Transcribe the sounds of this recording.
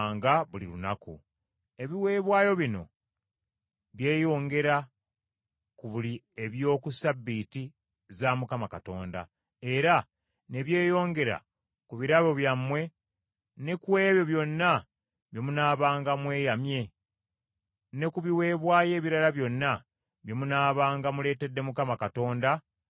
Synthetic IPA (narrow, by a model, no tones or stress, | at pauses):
ŋɡaβulḭlunakṵ | e̞βiwe̞ːβwaːjo̞βino̞̰ | βje̞ːjo̞ːŋɡe̞ɾa | kuβuli | eβjo̞ːkusabːiti | zamukamakato̞ːnda̰ | e̞ɾa | ne̞βje̞ːjo̞ːŋɡe̞ɾa̰ | kuβiɾaβo̞βjamwe̞ | ne̞kwe̞ːβjo̞βjo̞nːa | βje̞munaːβaːŋɡamwe̞ːjamje̞ | ne̞kuβiwe̞ːβwaːje̞ːβiɾalaβjo̞nːa | βjomunaːβaːŋɡamule̞ːte̞dːe̞mukamakato̞ːnda